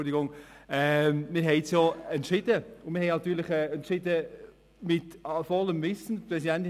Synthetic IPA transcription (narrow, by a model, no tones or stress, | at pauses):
dɪɡʊŋɛmɪːɾɦɛɪt͡sjoːɛntʃɪdəʊnmɪhɛɪnɑt̪ːyːɾlɪχɛɛntʃɪdə | mɪtfɔlːəmvɪsn̩prɛsidɛnt